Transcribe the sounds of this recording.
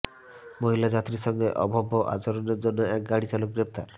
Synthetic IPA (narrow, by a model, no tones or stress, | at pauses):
moɦilad͡ʒat̪ɾisɔŋɡeʔɔbʱɔbʱːɔʔa̰t͡ʃɔɾɔneɾd͡ʒonːɔɛk̚ɡaɽit͡ʃalok̚ɡɾep̚t̪aɾ